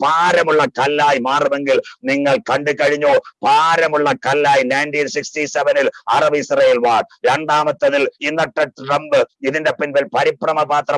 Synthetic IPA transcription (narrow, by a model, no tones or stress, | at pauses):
paːɾɐmuɭːɐkɐlːaːjimaːrumeŋɡilniŋːɐɭkɐɳɖɨkɐɻiɲːoːpaːɾɐmuɭːɐkɐlːaːjinɐjnʈiːnsikstiseʋɐnilɐrɐʋɐisrɐjelʋaːɽ̚ɾeɳɖaːmɐt̪ːɐðilinːɐʈːɐʈːrɐmbɨiðindepinbɐlpɐɾiprɐmɐpaːt̪rɐ